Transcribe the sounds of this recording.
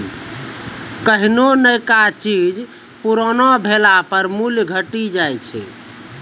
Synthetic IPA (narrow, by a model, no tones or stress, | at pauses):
kəɦinonəjkat͡ʃid͡ʒ | puɾɔnɔbʱelapəɾmulɡʱəʈid͡ʒajt͡ʃʰɛ̰